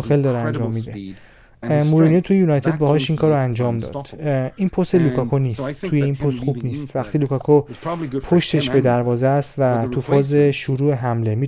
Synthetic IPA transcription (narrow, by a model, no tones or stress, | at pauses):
xeld̪ɒːɾeænd͡ʒɒːmːiːd̪e̞ | muɾuniet̪ʰujejuːnɒjt̪ʰe̞d̪̚bɒːhɒːʃiŋkʰɒːɾoænd͡ʒɒːmd̪ɒ̰ːd̪̥iːnpʰost̪e̞lukʰɒkʰoniːst̪t̪ʰuːje̞iːnpʰost̪xubniːst̪væxt̪ʰiːlukʰɒkʰopʰoʃt̪ʰe̞ʃbe̞d̪æɾvɒːzeæst̪væt̪ʰufʰɒːze̞ʃuɾuːe̞ɦæmle̞miː